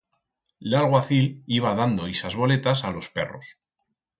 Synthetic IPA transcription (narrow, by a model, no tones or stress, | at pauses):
lalɣwaθiliβ̞að̞and̪o̞isazβ̞o̞le̞t̪asalo̞spe̞̰ro̞̰s